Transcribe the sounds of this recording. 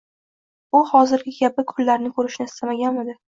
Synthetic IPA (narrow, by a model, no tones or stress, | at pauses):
ʊhɒzɪɾɡʲɪɡʲap̚ɪkʰʊlːaɾnɪkʰɵɾɪʃnɪɪst̪ʰamaɡʲanmɪd̪ɪ